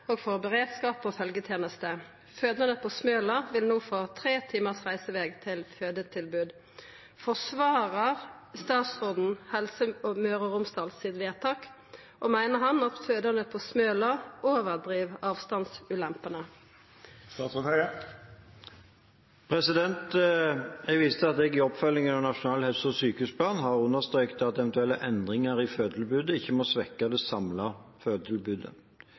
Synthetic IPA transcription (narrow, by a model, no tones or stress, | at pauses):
oːɡfɔʁbəʁeːd̪skɑːpɔfœlɡət̪ʰjeːnəst̪ə | føːd̪ənəpʰoːsmøːlɑʋɪlnuːfɔʁt̪ʰʁeːt̪ʰiːməʁsʁæɪsəʋeːɡt̪ʰɪlføːd̪ət̪ʰɪlbʉːd̪ | fɔsʋɑːʁəʁ | st̪ɑːt̪sʁoːd̪n̩hɛlsəɔmøːʁəʁʊmst̪ɑlsɪt̪ʋeːt̪ʰɑːk | ʔoːmæɪnəʁhɑnɑt̪føːd̪əʁnəpʰoːsmøːləʔoːʋəd̪ʁiːʋɑːʋst̪ɑnsʉːlɛmpənə | st̪ɑːt̪sət̪ʰæə | pʰʁɛsɪd̪ɛnt̪ | jɛɡʋɪst̪əɑt̪ɛɡɪɔpfœlːɪŋənɑnɑʃʊnɑːlhɛsɔsyːkəʉːspʰlɑːnɦɑʁʉnːəʁst̪ʁœːkt̪ɑt̪ɛʋɛnt̪ʉɛlːəʔɛnd̪ʁɪŋəʁɪføːd̪l̩bʉːd̪əɪçːəmɔsʋɛkːɑd̪ɛsɑmlɑføːd̪lbʉːd̪ə̰